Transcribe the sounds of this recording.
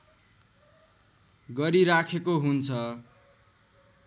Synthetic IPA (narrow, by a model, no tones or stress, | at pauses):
ɡʌɾiɾakʰekoɦunt͡sʰʌ